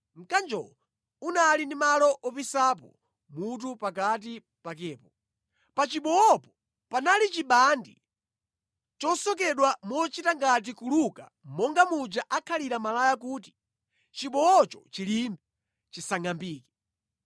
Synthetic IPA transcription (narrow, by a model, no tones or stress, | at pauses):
ŋ̩kand͡ʒɔ̰ | unalindimalɔʔɔpisap̬ɔ̰ | mut̬upakat̬i | pak̬ɛːpɔ | pat͡ʃiɓɔɔpɔ̥ | panalit͡ʃiɓandḭ | t͡ʃɔsɔk̬ɛɗwamɔt͡ʃitaŋɡat̬ikuluka̰ | mɔŋɡamud͡ʒaʔakʰaliɾamalajak̬uːti̥ | t͡ʃiɓɔɔt͡ʃɔt͡ʃilimbɛ | t͡ʃisaŋambiːkɛ̥